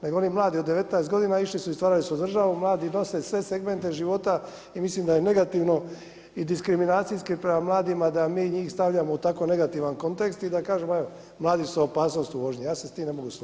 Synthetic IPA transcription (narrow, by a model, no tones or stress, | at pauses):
neɡoonimlˠaːd̪io̞d̪ːe̞ʋe̞t̪naest̪ɡo̞d̪inaiʃlisuist̪ʋaːɾalisud̪r̩ʒaʋumlˠaːd̪ino̞se̞sʋe̞seɡme̞nt̪e̞ʒiʋo̞t̪a | imislimd̪ajene̞ɡat̪iʋno̞ | id̪iskɾiminaːt̪siskipɾemamlˠaːd̪imad̪amiːɲiːxst̪aʋʎamout̪ako̞ne̞ɡat̪iʋanko̞nt̪e̞kst̪id̪akaːʒemeo | mlˠaːd̪isuopaːsno̞ːst̪uʋo̞ʒɲijaːsest̪iːmne̞moɡus